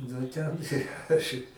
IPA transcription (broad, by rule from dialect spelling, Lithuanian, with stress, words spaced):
nʊ ˈtʲɛn ˈɐʃ ɪ